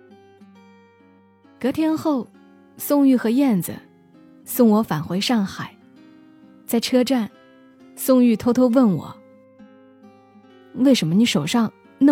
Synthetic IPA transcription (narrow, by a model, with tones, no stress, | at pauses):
kɤ˧˥t̪ʰjɛ˥nxo˥˧ʊ | sʊ˥˧ŋy˥˩xɤ˧˥jɛ˥˩nd͡zə̰˨˩ | sʊ˥˩ŋwɔ˧˥fa˨˩nxwe˧˥ɪʂɑ˥˩ŋxa˨˩˦ɪ | t͡sa˥˩ɪʈ͡ʂʰɤ˥ʈ͡ʂa˥˩n | sʊ˥˧ŋy˥˩t̪ʰo˥ʊt̪ʰo˥ʊwə˥˩nwɔ̰˨˩˦ | we˥˩ɪʂə˧˥nmə˧ni˧˥ʂo˨˩ʊʂɑ˥˧ŋ | n˥˧